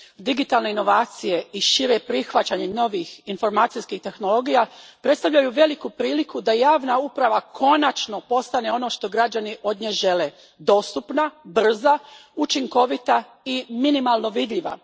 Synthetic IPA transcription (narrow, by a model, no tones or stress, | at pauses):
d̪iɡit̪aːlˠne̞ino̞ʋaːt̪sije̞iʃiɾepɾixʋat͡ɕaɲeno̞ʋixinfo̞ɾmaːt̪sijskixt̪e̞xno̞lo̞ɡijapɾet̪st̪aʋʎajuʋe̞likupɾiːlikud̪ajaːʋnaupɾaʋakʰo̞nat͡ʃno̞po̞st̪ane̞o̞no̞ʃt̪o̞ɡɾad͡ʑaniʔo̞d̪ɲeʒe̞le̞ | d̪o̞ːst̪upnabr̩zaut͡ʃiŋko̞ʋit̪a | iminimalˠno̞ʋid̪ʎiʋa̰